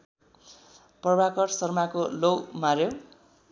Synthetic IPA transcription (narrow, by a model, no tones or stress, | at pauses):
pʌrbakʌrsʌrmakolowmaɾjo